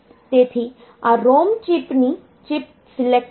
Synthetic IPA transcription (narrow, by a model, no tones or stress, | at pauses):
t̪eːt̪ʰi | aɾoːmt͡ʃɪpni | t͡ʃɪp̚ | sɪlek